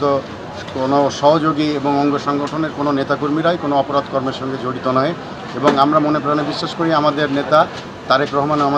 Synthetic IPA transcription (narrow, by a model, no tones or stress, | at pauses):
t̪o | konoʃɔɦod͡ʑoɡieboŋɔŋɡoʃɔŋɡoʈʰoneɾkononet̪akuɾmiɾajkonoɔpoɾad̪kɔɾmeɾʃɔŋɡed͡ʑoɽit̪onɔe | eboŋamɾamonepɾanebiʃːaʃkoɾiamad̪eɾnet̪a | t̪aɾekɾɔɦomanama